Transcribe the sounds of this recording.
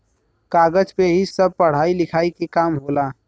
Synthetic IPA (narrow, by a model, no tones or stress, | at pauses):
kaːɡəd͡ʒpeɦisɐb̚pɐɽ̤aːilɪkʰaːikekaːmɦoːlaː